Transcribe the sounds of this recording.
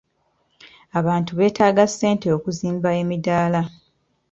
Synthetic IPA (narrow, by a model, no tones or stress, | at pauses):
aβaːntuβe̞ːtʰaːɡasːe̞ːnteokuziːmbae̞midaːla